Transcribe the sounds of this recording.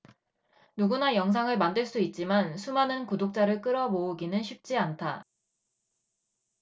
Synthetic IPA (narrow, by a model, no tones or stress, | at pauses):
nuɡunajʌŋs̬ʰaŋɯɭmandɯɭs͈uit̚t͡ɕ͈imansʰumanɯnkudok̚t͡ɕ͈aɾɯɭk͈ɯɾʌbouɡinɯnɕʰip̚t͡ɕ͈iantʰa